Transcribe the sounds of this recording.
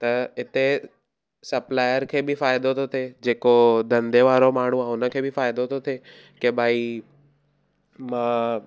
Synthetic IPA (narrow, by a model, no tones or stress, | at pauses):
t̪ɐɪt̪e | sɐplaːjəɾkʰeːbifaːɪd̪ot̪ʰot̪ʰed͡ʒeːkod̪ɐ̃nd̪eʋaːɾomaːɳ̤uaʊnəkʰeːbʱifaːɪd̪ot̪ʰot̪ʰe | kebʱaːi | mãː